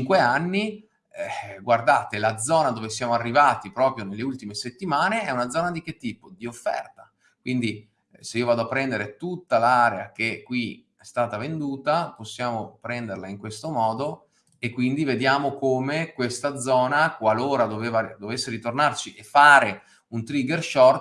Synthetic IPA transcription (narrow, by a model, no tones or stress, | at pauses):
t͡ʃŋkweanːi | ɛɡward̪aːt̪elad̪zɔːnad̪oːvesjaːmoarːivaːt̪ipɾɔːpɾjonelːeult̪imeset̪ːimaːneɛunad̪zɔːnad̪ik̟et̪ːiːpod̪iofːɛ̰rt̪a | kwind̪i | seiːovaːd̪oapːɾɛnd̪eɾet̪ut̪ːalaːɾea̰k̟ekːwi | ɛst̪aːt̪avend̪uːt̪aposːjaːmopɾɛnd̪erlaiŋkwest̪omɔːd̪o | ekːwind̪ived̪jaːmokoːmekwest̪ad̪zɔːnakwaloːɾad̪oveːvad̪ovesːeɾit̪ornart͡ʃiʔefːaːɾe | unt̪ɾiɡerʃɔrt̪